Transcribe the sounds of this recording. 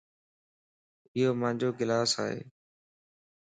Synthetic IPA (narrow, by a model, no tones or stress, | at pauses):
ɪɦoːmãːd͡ʒoːɡɪlaːsa̰ːɦḛː